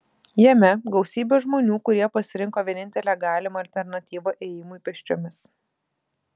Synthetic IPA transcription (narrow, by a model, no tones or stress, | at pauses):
jɛmʲɛɡɐʊsʲiːbʲoːʒmoːnʲuːkʊɾʲiɛpɐsʲɪɾʲɪŋkoːʋʲiɛnʲɪnʲt̪ʲɛlʲæːɡɑːlʲɪmɐːɐlʲt̪ʲɛɾnɐt̪ʲiːʋoʔeːjɪmʊipʲɛʃʲt͡ʃʲomʲɪs